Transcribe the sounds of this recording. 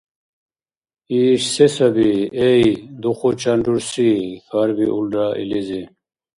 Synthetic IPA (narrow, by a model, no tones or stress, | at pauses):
iːɕsesɐbiejd̪uxot͡ɕɐɳɖuɾsifʰaɾbiʔulɖaʔḭlizi